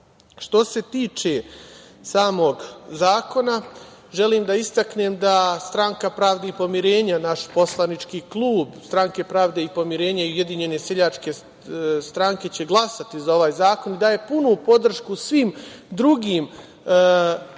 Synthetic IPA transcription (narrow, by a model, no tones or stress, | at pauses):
ʃt̪o̞se̞t̪iːt͡ʃe̞ | saːmo̞ɡzaːko̞na | ʒe̞liːmd̪aist̪akneːmd̪ast̪ɾaŋkapɾaːʋd̪eipo̞miɾe̞ːɲanaʃpo̞slˠanit͡ʃkiːklˠuːbst̪ɾaŋke̞pɾaːʋd̪eipo̞miɾe̞ːɲaiujed̪iɲe̞ne̞seʎat͡ʃke̞ | st̪ɾaŋke̞t͡ɕe̞ɡlˠasat̪izao̞ʋaːjzaːko̞nid̪aːje̞punupo̞d̪r̩ʃkusʋiːmd̪ɾuɡiːm